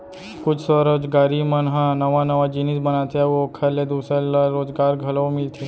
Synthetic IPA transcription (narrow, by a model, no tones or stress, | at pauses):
kʊt͡ʃʰsɔɾoːd͡ʒɡaːɾimɐnɦãnɐʋanɐʋad͡ʒɪnɪsbɐnaːt̪eɛʋokʰɐɾled̪uːsɾelɾoːd͡ʒɡaːɾɡʱɐlõmɪlt̪ʰeː